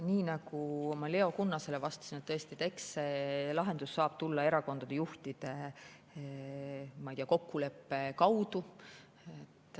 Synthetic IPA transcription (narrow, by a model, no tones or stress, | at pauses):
niːnɑɡ̥uomɑle̞o̞kunːɑse̞levɑst̪ɑ̥sinet̪t̪ɤest̪it̪e̞ksselɑɦe̞nd̪̥usːɑːb̥̚t̪ulːɑe̞ɾɑko̞nd̪̥ɑd̪̥e̞juht̪id̪̥e̞ | mɑjt̪ʲiɑko̞kːule̞pːe̞kɑwd̪̥u | et̪ːˑ